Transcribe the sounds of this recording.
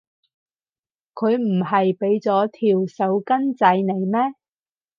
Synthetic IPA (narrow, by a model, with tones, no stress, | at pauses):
kʰɵ˨˧ɥm̩˨˩hɐ˨jpe˨˥jt͡sɔː˨˥t̪ʰiː˨˩wsɐ˨˥˧wkɐ˥nt͡sɐ˧jne˨˩jmɛː˥